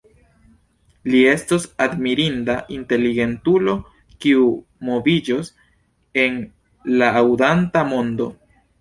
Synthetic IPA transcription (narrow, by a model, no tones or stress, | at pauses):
lie̞stosadmiɾindaʔinte̞liɡe̞ntulo̞ | kiu | mo̞vid͡ʒos | e̞n | laːwdantamo̞ndo̞